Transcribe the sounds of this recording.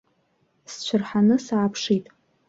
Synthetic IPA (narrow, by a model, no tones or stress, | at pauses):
st͡ɕʷʰʊrħanɨsaːpʰʂitʼ